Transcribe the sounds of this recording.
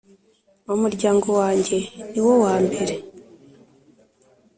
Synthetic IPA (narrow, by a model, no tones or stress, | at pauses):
umuɾɟaːŋɡo̞waːɲɟe̞niwo̞waːmbe̞ɾe̞